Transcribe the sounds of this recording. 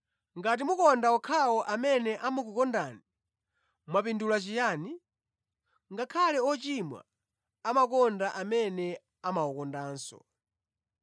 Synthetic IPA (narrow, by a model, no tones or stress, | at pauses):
ŋɡatimukɔndaɔkʰawɔʔamɛnɛʔamuk̬ukɔndani | mwap̬indulat͡ʃijaːni | ŋɡakʰalɛɔt͡ʃimwa̰ | amak̬ɔndaʔamɛnɛ | amaɔkɔndaːnsɔ̰